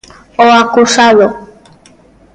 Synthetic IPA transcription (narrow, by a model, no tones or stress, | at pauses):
oakusaðo